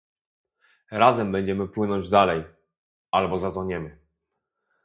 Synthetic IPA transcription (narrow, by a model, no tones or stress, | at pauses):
ɾazɛmbɛɲd͡ʑɛmɘpwɘnɔɲd͡ʑd̪alɛj | albɔzat̪ɔɲɛmɘ